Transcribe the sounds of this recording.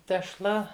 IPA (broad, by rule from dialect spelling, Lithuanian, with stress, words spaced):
tʲɛʃˈlˠɐ